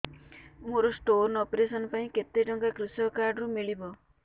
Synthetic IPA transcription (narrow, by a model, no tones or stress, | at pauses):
moɾosʈoɾnɔpɾesɔnpaĩket̪eʈɔŋkakɾusɔkaɾɖɾumiɭibɔ